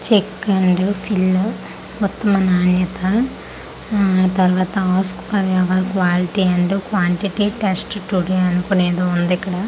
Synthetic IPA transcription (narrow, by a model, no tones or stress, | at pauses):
t͡ʃekːɐɳɖupʰilː | ut̪ːɐmɐnaːnjɐt̪ɐ | t̪ɐɾuʋaːt̪ɐaːskpɐɾjaʋɐɾkʋaːliʈiɐɳɖukʋaːɳʈiʈiʈesʈʈuɽiɐnukuneːd̪oːund̪ikːɐɽɐ